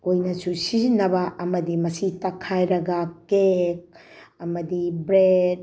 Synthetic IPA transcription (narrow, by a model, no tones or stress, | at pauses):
kojnɐsusizinːɐbɐʔɐmɐdimɐsitɐkʰajɾɐɡɐkek̚ | ɐmɐdibɾed̚